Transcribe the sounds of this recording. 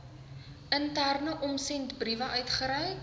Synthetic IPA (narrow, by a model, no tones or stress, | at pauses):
əntærnəʔɔmsɛntbrivɐʔœɥtχəɾɛj